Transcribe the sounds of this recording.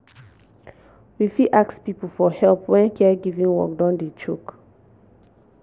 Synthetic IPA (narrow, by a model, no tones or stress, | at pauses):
wifiʔakspipl̩fɔhɛlpwɛ̃nkʰɛɡivĩnwɔ̰k̚dɔ̃ndet͡ʃuk